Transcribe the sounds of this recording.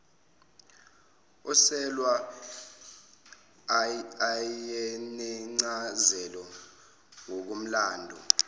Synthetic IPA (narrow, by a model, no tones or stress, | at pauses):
ɔsɛlwa | jɛnɛŋ͡ǀazɛlɔ | ŋok̬um̩laːndʱɔ̰